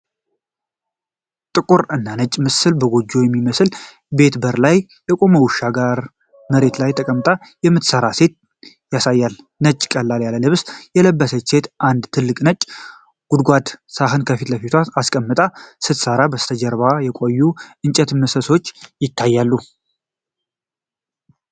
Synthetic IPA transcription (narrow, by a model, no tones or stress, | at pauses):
t̪ʼɨkʼuɾɨnːanət͡ʃʼmɨsɨlbəɡo̞d͡ʒːo̞jɛmːiməsl | be̞t̪bəɾlaj | bɛkʼo̞mowʊʃːaɡaɾ | məɾe̞t̪lajt̪ʰʼəkʼəmt̪ʼajɛmːɨt̪səɾase̞t̪̚ | jasajːal | nət͡ʃʼːkʼəlːaljaləlɨβsjɛləbːəsət͡ʃːe̞t̪ʔand̪t̪ʰɨlːɨkʼnət͡ʃʼː | ɡ̥ud̪ɡʷad̪saɦɨnkʰəfit̪ləfit̪ʰʷaaskʼəmːɨt̪ʼasɨt̪səɾabəst̪ʰəd͡ʒɛɾβajɛkʼojːuʔɨnt͡ʃʼɛt̪mɨsəso̞t͡ʃːjɪt̪ʰːajːalːu